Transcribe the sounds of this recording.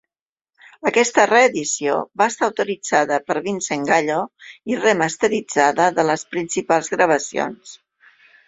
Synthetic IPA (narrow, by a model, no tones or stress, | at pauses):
əkɛst̪əreːðisio̰βaəst̪aəwt̪uɾid͡zaðəpəɾβinseŋɡaʎoirəməst̪əɾid͡zaðəðələspɾinsipalˠzɣɾəβ̞əsio̰ns